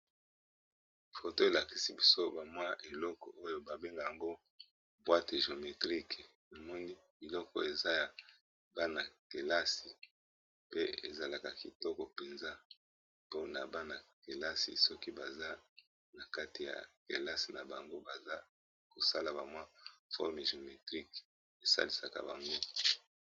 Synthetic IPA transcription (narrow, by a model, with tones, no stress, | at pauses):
fo˨to˦e˨la˨ki˦si˦bi˦so˦ba˨mwa˦ʔe˨lɔ˦kɔ̰˨ʔo˦jo˦ba˨be˦ŋɡa˨ja˨ŋɡo˦ | bwa˦te˨ʒo˨me˨tʁi˦ke˨ | no˨mɔ˦ni˦bi˨lɔ˦kɔ˨e˨za˦ja˨ | ba˦na˨ke˨la˦si˨ | pe˦ḛ˨za˨la˨ka˨ki˨tɔ˦kɔ˨pe˨nza˦ | po˦na˨ba˦na˨ke˨la˦sḭ˨sɔ˦ki˦ba˨za˦ | na˨ka˦ti˨ja̰˨ke˨la˦si˨na˨ba˨ŋɡo˦ba˨za˦ | ko˨sa˦la˨ba˨mwa˦fɔ̰˦ʁme˨ʒo˨me˨tʁi˦k | e˨sa̰˦li˨sa˨ka̰˨ba̰˨ŋɡo˦